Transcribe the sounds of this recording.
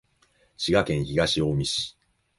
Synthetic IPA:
t͡ɕiɡakẽ̞ɰ̃çiɡaɕiomʲiɕi̥

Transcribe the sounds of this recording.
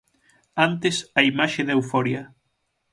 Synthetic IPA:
ant̪esɐimaʃeðewfɔɾjɐ

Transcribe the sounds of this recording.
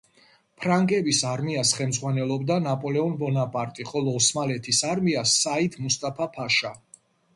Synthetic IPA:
pʰɾaŋɡʼɛbisaɾmiasχɛlmd̪zʁwanɛlˠɔbd̪anapʼɔlɛɔnbɔnapʼaɾt̪ʼiχɔlˠɔːsmalɛt̪ʰisaɾmiasːait̪ʰmust̪ʼapʰapʰaʃa

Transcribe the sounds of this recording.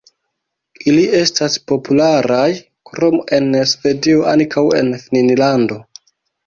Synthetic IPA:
ilie̞staspo̞pulaɾaj | kɾo̞me̞nsve̞dio̞ʔankʰawe̞̰nfininlando̞

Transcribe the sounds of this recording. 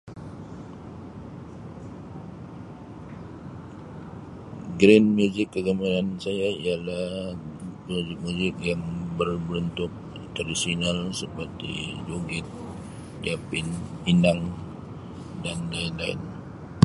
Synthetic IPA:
ɡɾɛnmjuzɪkːəzamanansajaialah | uzɪk̚muzɪk̚jaŋbərbɾunt̪ʊk̚ | t̪ərisinalsəpərt̪ḭd͡ʒoɡɪt̪̚ | diapɪn | inaŋ | danlaɪnlaɪ̰n

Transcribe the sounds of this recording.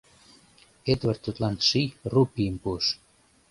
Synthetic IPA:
et̪βərt̪ːut̪lɑnʃijrupiəmpuəʃ

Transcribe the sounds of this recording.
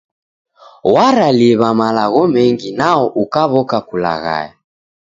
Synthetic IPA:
waɾaliβamalaɣɔmɛŋɡinaɔʔukaβɔkakula̰ɣa̰ja

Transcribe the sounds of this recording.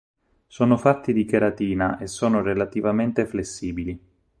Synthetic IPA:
soːnofat̪ʰːid̪ikeɾat̪iːnaʔesːoːnorelat̪ivament̪eflesːiːbili

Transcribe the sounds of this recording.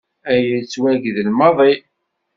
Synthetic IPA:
æjit͡sːwæʝðəlmɑðˤi

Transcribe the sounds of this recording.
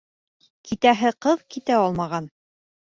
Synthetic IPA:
kit̪æɦɘqɤðkit̪æɒlˠmɑʁɑn

